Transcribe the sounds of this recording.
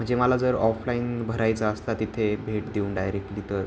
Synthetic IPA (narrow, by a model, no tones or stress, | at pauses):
m̤əɳd͡zeməlad͡zəɾɔflaiːnbʱəɾajt͡saəst̪at̪it̪ʰebʱeʈd̪eunɖajɾek̚ʈliːt̪əɾ